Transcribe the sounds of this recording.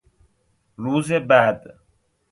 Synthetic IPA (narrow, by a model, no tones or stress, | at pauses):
luːzebad̪